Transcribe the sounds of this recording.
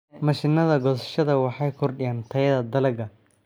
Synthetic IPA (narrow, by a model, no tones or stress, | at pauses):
mɐʃɪnɐðɐɡɔsɐ̥ʃɐðɐwɑħɑjkʰɔrɗɪjant̪ʰɐjɐðɐd̪ɐlɐɡɐ